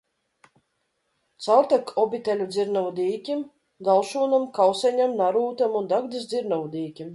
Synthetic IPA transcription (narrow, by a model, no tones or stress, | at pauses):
t̪sawt̪akʰɔbʲit̪ɛlʲud̪zʲiɾnɔwd̪iːkʲim | ɡ̪alˠʃuːnamkawsɛɲamnaɾuːt̪amund̪aɡd̪isd̪ziɾnɔwd̪iːkʲim